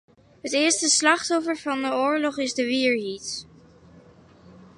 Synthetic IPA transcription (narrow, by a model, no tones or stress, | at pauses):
ɦətɪːɹstəslɑχtɔfəɹvɑndəʊːɹlɔχɪzdəʋiːɹɦit